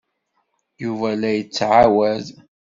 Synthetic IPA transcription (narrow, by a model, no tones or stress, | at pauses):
juvælæjət͡sːʕawæz